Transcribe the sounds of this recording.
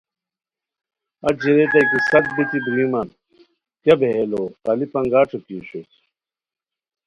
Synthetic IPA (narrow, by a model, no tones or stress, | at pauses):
ɐd͡ʑiɾet̪ɐjkisɐt̪̚bit̪id̪ɾimɐn | kjɐbeeloɐlipɐŋɡaːʈ͡ʂʰukiuɕot͡ɕ